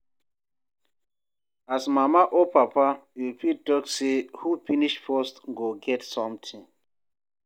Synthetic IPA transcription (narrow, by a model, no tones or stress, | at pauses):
asmamaʔopapaifitɔksehufiniʃfɔstɡoɡɛtsɔ̃mtʰĩŋ